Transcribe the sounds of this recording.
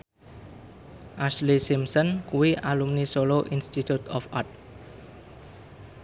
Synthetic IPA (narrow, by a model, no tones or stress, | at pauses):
ʔaslisimsɔnkuwiʔalumnisoloʔinst̪it̪ut̪ʰɔfart̪̚